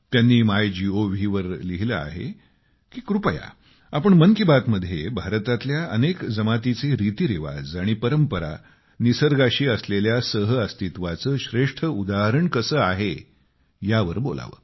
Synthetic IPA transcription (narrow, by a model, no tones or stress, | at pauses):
t̪janːiːmajd͡ʑioʋʱiːʋəɾliɦilə̰a̰ɦḛ | kiːkɾupəja̰ | apəɳməŋkibat̪məd̪ʱːjebʱaɾt̪at̪ljaənekd͡zəmat̪it͡seɾit̪iɾiʋa̰d͡zaɽ̃ipəɾəmpəɾa̰ | nisəɾɡaɕiːəsleljasəɦəəst̪it̪ʋat͡səːɕɾeʂʈʰəud̪aɦəɾəɳkəsəːaɦe | jaʋəɾbola̰ʋə̰ː